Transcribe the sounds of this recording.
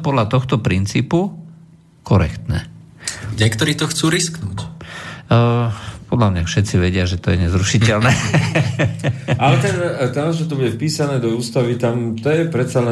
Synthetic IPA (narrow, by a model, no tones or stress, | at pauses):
pɔd̪lat̪ɔxt̪ɔpɾint͡siːpu | kʰɔɾɛkt̪nɛ | ɲɛkt̪ɔɾiːt̪ɔxt͡suːɾisknuːcː | pɔd̪lamɲafʃɛt̪t͡siʋɛɟɪaʒɛt̪ɔjɛɲɛzɾuʃicɛlnɛː | alɛt̪ɛnt̪amʒɛt̪ɔbuɟɛfpiːsanɛːd̪ɔuːst̪aʋit̪amt̪ɔjɛpɾɛt̪salɛ